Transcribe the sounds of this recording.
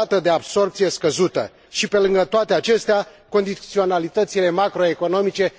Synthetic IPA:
at̪əd̪e̞abso̞rp̚t̪sije̞skəzut̪ə̰ | ʃipe̞lɨŋɡət̪oat̪eat͡ʃe̞st̪ea | ko̞nd̪it̪sio̞nalit̪ət̪sile̞makɾoe̞ko̞no̞mit͡ʃe̞

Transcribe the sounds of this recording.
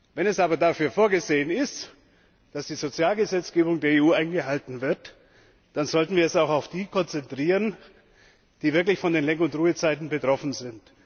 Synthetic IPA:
vɛnɛsʔaːbɐdafyːɐfoːɐɡəzeːənɪst | d̥asd̥iːzot͡sjaːlɡəzɛt͡sɡ̥eːbʊŋdeːɐeːuːaɪnɡəɦaltn̩vɪɐt | d̥anzɔltn̩viːɐɛsaʊxaʊfd̥iːkʰɔnt͡sɛntʁ̥iːʁən | d̥iːvɪɐklɪçfɔndeːnlɛŋəʊntʁuːət͡saɪtn̩bətʁ̥ɔfn̩zɪnt

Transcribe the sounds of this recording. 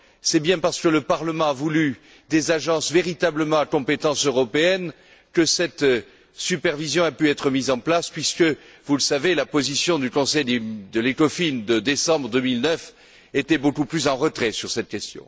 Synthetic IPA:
sɛbjɛ̃paʁsə̥kələpaʁləmɑ̃avuly | d̪ezaʒɑ̃sveʁit̪abləmɑ̃akɔ̃pet̪ɑ̃søʁɔpeɛn | kəsɛt̪ | sypɛʁvizjɔ̃apyɛt̪χəmizɑ̃plaspɥiskəvuləsavelapozisjɔ̃d̪ykɔ̃sɛjd̪ed̪əlekɔfind̪əd̪esɑ̃bʁəd̪əmilnœf | et̪ɛbokuplysɑ̃ʁət̪χɛsyʁsɛt̪̚kʲɛst̪jɔ̰̃

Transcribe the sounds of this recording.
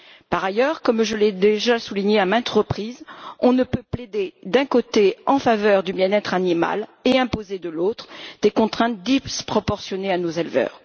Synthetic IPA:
paʁajœʁkɔmʒəlɛd̪eʒasuliɲeamɛ̃t̪χəpχiːzɔ̃nəpøpled̪ed̪ɛ̃kot̪eɑ̃favœʁd̪ybjɛ̃nɛt̪χanima̰leɛ̃pozed̪əlot̪χd̪̥ekɔ̃t̪χɛ̃t̪̚d̪ipspχɔpɔʁsjɔneanozɛlvœ̰ːʁ

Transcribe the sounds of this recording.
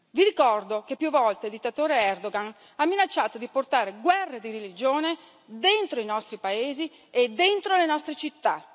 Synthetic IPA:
viɾikɔrd̪okepːjuvːɔlt̪eld̪it̪ːat̪oːɾeɛrd̪oɡan | amːinat͡ʃːaːt̪od̪iport̪aːɾeɡwɛrːed̪iɾelid͡ʒoːne | d̪ent̪ɾoinɔst̪ɾipaeːzi | ed̪ːent̪ɾolenɔst̪ɾet͡ʃit̪ːa

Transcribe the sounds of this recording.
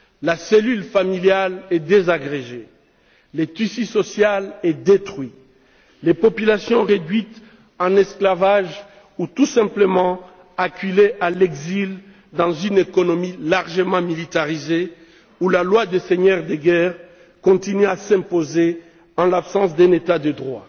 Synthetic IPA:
laselylfamiljalɛd̪ezaɡʁeʒe | let̪ysisɔsjalɛd̪et̪χɥi | lepɔpylasjɔ̃ʁed̪ɥit̪ | ɑ̃nɛsklavaʒ | ut̪usɛ̃pləmɑ̃ | akyleʔalɛɡzil | d̪ɑ̃zynekɔnɔmilaʁʒəmɑ̃milit̪aʁize | ulalwad̪eseɲœʁd̪əɡɛʁ | kɔ̃t̪inyasɛ̃poze | ɑ̃lapsɑ̃sd̪ɛ̃net̪ad̪əd̪ʁwa

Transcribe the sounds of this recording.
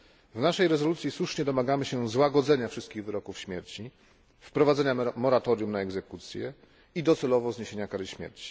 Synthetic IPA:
vnaʂɛjɾɛzɔlut̪sʲjiswuʂɲɛd̪ɔmaɡamɘɕɛzwaɡɔd̪zɛɲafʂɘst̪̚kʲiɣvɘɾɔkufɕmʲjɛɾt͡ɕi | fpɾɔvad̪zɛɲamɔɾat̪ɔɾjumnaɛɡzɛkut̪sʲjɛ̰ | id̪ɔt̪sɛlɔvɔzɲeɕeɲakaɾɘɕmʲjɛ̰ɾt͡ɕi̥

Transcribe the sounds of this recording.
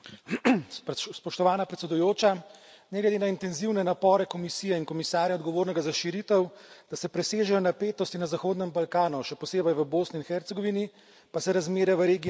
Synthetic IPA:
spɔʃt̪ɔʋaːnapɾɛt̪sɛd̪ujoːt͡ʃa | nɛɡlɛd̪eːnaint̪ɛnziwnɛnapɔːɾɛkɔmisiːjɛinkɔmisaːɾjaɔd̪ɡɔʋoːɾnɛɡazaʃiɾit̪əwd̪̥asɛpɾɛseːʒɛjɔnapeːt̪ɔst̪inazaxoːd̪nɛmbalkaːnuʃɛpɔseːbɛjʋəboːsniːnxɛɾt̪sɛɡɔʋini | pasɛɾazmeːɾjaʋəɾeːɡi

